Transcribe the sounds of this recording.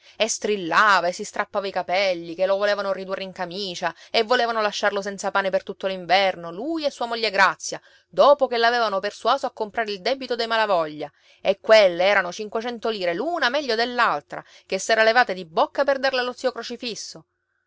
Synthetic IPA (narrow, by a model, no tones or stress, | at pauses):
est̪ɾilːaːvaesist̪ɾapːaːvaikapɛlːikelːovoleːvanorid̪urːeiŋkamiːt͡ʃaevːoleːvanolaʃːarlos̬ɛnt̪sapaːnepert̪ut̪ːoliɱvɛrnolujesːuːamoʎːeɡɾat̪sːja | d̪oːpokelavɛːvanopersuaːzoakːompɾaːɾeild̪ɛbit̪od̪ejmalavɔʎːa | ekːwelːeɛːɾanot͡ʃiŋkwet͡ʃɛnt̪oliːɾeluːnamɛʎːod̪elːalt̪ɾa̰ | kesːɛːɾalevaːt̪ed̪ibːokːaperd̪arlalːot̪siːokɾot͡ʃifisːo